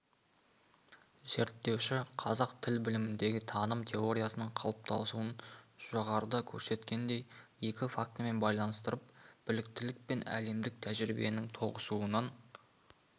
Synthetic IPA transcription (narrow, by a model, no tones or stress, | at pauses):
ze̞ɾt̪ːe̞wʃɪqʰɑzɑqt̪ʰɪlbɪlɪmɪnd̪e̞ɡʲɪt̪ʰɑnəmt̪ʲʰe̞o̞ɾʲijasənəɴqʰɑ̰lˠəp̚t̪ʰɑ̰lˠsuənʒ̥oʁɑɾəd̪ɑkʲʰɵɾse̞t̪kʲe̞nd̪e̞je̞kʲɪfak̚t̪əme̞nbɑjlˠɑnəst̪əɾəp̚b̥ɪlɪk̚t̪ɪlɪk̚pe̞næ̰le̞md̪ɪk̚t̪ʰæʒɾibe̞̰nɪŋt̪ʰo̞ʁəsuənɑn